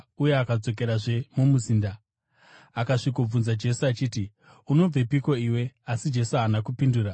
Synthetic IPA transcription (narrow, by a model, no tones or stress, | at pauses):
ujeakad͡zo̞k̬e̞ɾaʐe̞mumuziːnda | akaʂikob͡vunzad͡ʒe̞suat͡ʃiːti | uno̞b͡ve̞piko̞iwe̞asid͡ʒe̞suanakupinduːra